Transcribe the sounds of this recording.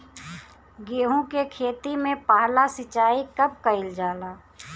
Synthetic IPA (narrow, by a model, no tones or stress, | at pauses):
ɡeːɦũkekʰeːt̪imẽpaːɦlasɪt͡ʃaːikəp̚kəɪld͡ʒaːlaː